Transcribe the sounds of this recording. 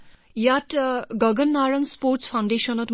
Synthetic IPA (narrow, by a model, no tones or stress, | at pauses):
jatɡʌɡʌnːaɾʌŋsporʈspʰawɳɖeʃʌnʌt̪